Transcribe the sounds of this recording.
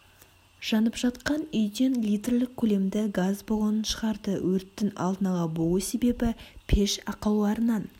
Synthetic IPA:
ʒ̥ɑnəpʒ̥ɑt̪qɑnʏjd̪e̞nlʲijt̪erlɪk̚kʲʰːɵle̞md̪ɪɡazboʁənənʃəʁɑɾd̪əwʔɵɾt̪ːɪŋɑ̰lˠd̪ənɑlˠɑbo̞lˠəse̞be̞bɪpʰe̞ʃɑqəlˠulˠɑɾənɑn

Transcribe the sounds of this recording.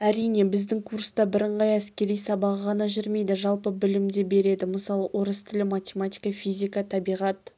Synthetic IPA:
æɾijne̞bɪzd̪ɪŋkʰuɾst̪ɑbɪɾəɴʁɑjæskʲe̞ɾijsɑbɑʁəʁɑnɑʒʏɾme̞jd̪ɪʒɑlˠpəbɪlɪmd̪ebe̞ɾe̞d̪ɪməsɑlˠəwʔo̞ɾəst̪ʰɪlɪmat̪ʲemat̪ʲi̥jkɑfijzʲijkɑt̪ʰɑbijʁɑt̪

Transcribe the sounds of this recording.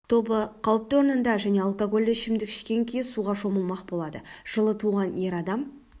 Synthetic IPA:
t̪ʰo̞bəqʰɑwəp̚t̪o̞ɾnənd̪ɑʒæne̞ɑlˠkoɡo̞lʲeʃɪmd̪ɪkɪ̥ʃkʲe̞ŋkʲʰej̪suʁɑʃo̞məlˠmɑqbo̞lˠɑd̪əʒ̥əlˠət̪ʰuʁɑne̞ɾɑd̪ɑm

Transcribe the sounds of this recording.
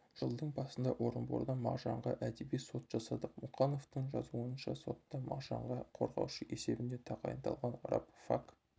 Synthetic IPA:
ʒ̥əlˠd̪əɴbɑsənd̪ɑʔo̞ɾəmboɾd̪ɑmɑʁʒɑɴʁɑʔæd̪ebijso̞t̪ʒ̥ɑsɑd̪əqmuqɑno̞ft̪əɴʒɑzuənʃɑso̞t̪ːɑmɑ̰ʁʒɑɴʁɑqʰo̞ɾʁɑ̰wʃəʔe̞se̞bɪnd̪et̪ʰɑqɑ̰jənt̪ɑ̰lˠʁɑnrɑ̰pfak

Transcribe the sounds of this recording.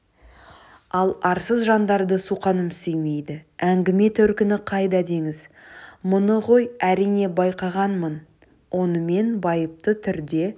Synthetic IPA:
ɑlˠɑɾsəzʒɑnd̪ɑɾd̪əsuqɑnəmsejme̞jd̪ɪæŋɡʲɪme̞t̪ʰɵɾkʲɪnɪqʰɑjd̪ɑd̪e̞ŋɪzmʊnəʁo̞jæɾijne̞bɑjqɑʁɑnmən | wʔo̞nəme̞nbɑjəp̚t̪ət̪ʰʏɾd̪e̞

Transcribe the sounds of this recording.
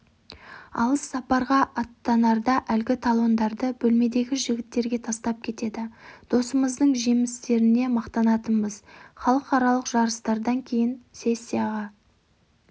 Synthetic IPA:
ɑ̰lˠəsːɑpɑɾʁɑʔɑt̪ːɑnɑɾd̪ɑʔælɡʲɪt̪ʰɑlˠo̞nd̪ɑɾd̪əbɵlme̞d̪e̞ɡʲɪʒɪɡʲɪt̪ːe̞ɾɡʲe̞t̪ʰɑst̪ɑp̚kʲʰe̞t̪e̞d̪ɪd̪̥o̞səməzd̪əɴʒemɪst̪e̞ɾɪne̞mɑqt̪ɑnɑt̪əmbəz̥χɑlˠəqɑɾɑlˠəqʒ̥ɑɾəst̪ɑɾd̪ɑŋkʲʰe̞jɪnse̞sʲːijɑʁɑ

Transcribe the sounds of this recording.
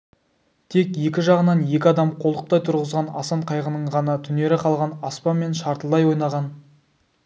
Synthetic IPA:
t̪ʰe̞kʲje̞kʲɪʒɑʁənɑnje̞kʲɪɑd̪ɑmqʰo̞lˠəq̚t̪ɑjt̪ʰʊɾʁəzʁɑnɑ̰sɑɴqʰɑjʁənəɴʁɑnɑt̪ʰʏne̞ɾɪqʰɑlˠʁɑnɑspɑnme̞nʃɑɾt̪əlˠd̪ɑjwo̞jnɑʁɑn

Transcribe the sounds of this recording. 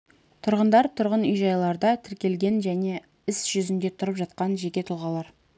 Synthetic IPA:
t̪ʰʊɾʁənd̪ɑɾt̪ʰʊɾʁənʏjʒɑjlˠɑɾd̪ɑt̪ʰɪɾkʲe̞lɡʲe̞nʒæne̞ | ɪsʒ̥ʏzɪnd̪e̞t̪ʰʊɾəpʒɑt̪qɑnʒekʲe̞t̪ʰʊlˠʁɑlˠɑɾ

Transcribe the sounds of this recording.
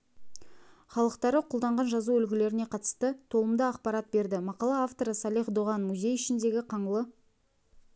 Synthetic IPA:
χɑlˠəqt̪ɑɾəqʰʊlˠd̪ɑɴʁɑnʒɑzuʏlɡʲɪle̞ɾɪne̞qʰɑt̪ə̥st̪ət̪ʰo̞lˠəmd̪əɑqpɑɾɑt̪̚be̞ɾd̪ɪmɑqɑlˠɑaft̪o̞ɾəsɑlˠiχd̪oʁɑnmuzʲe̞jʏʃɪnd̪e̞ɡʲɪqʰɑɴəlˠə

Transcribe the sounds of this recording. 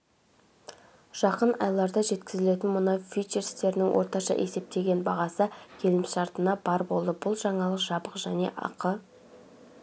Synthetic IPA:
ʒ̥ɑqənɑ̰jlˠɑɾd̪ɑʒe̞t̪kʲɪzɪle̞t̪ɪnmʊnɑwfit͡ʃeɾst̪e̞ɾɪnɪŋwʔoɾt̪ɑʃɑ̰ʔe̞se̞p̚t̪e̞ɡʲe̞nbɑʁɑsəkʲʰe̞lɪmʃɑɾt̪ənɑbɑɾbo̞lˠd̪əbʊlˠʒɑɴɑlˠəqʒ̥ɑbəqʒ̥æne̞̰ʔɑ̰qə

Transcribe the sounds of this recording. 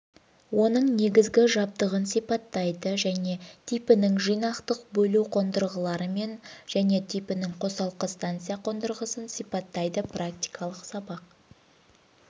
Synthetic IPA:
wo̞nəɴne̞ɡʲɪzɡʲɪʒɑb̚t̪əʁənsijpɑt̪ːɑjd̪əʒæne̞t̪ʰijpɪnɪŋʒijnɑqt̪əq̚bɵluwqʰo̞nd̪əɾʁəlˠɑɾəme̞nʒ̥æne̞t̪ʰijpɪnɪŋqʰo̞sɑlˠqəst̪ɑnt̪sɨjaqʰo̞nd̪əɾʁəsənsijpɑt̪ːɑjd̪əprak̚t̪ijkʰɑlˠəqsɑbɑq̚

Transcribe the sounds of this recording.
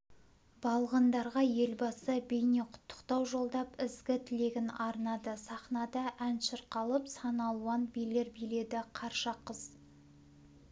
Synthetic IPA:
bɑlˠʁənd̪ɑɾʁɑje̞lbɑsəbejne̞qʰʊ̥t̪ːə̥qt̪ɑwʒo̞lˠd̪ɑpɪzɡʲɪt̪ʰɪle̞ɡʲɪnɑɾnɑd̪əsɑχnɑd̪ɑʔænʃəɾqɑlˠəpsɑnɑlˠuɑnbijle̞ɾbijle̞d̪ɪqʰɑɾʃɑqːəz̥

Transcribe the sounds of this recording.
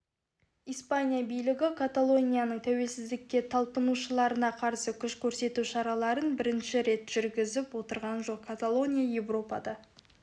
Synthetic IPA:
ijspanʲijabijlɪɡʲɪkʰat̪alˠo̞nʲijanəɴt̪ʰæwe̞lsɪzd̪ɪkʲːe̞t̪ʰɑlˠpənuʃəlˠɑɾənɑqʰɑɾsəkʲʰʏʃkʲʰɵɾse̞t̪uʃɑɾɑlˠɑɾənbɪɾɪnʃɪɾe̞t̪ʒ̥ʏɾɡʲɪzɪpwo̞t̪əɾʁɑnʒo̞q̚kʰat̪alˠo̞nʲijaje̞vro̞pɑ̰d̪ɑ

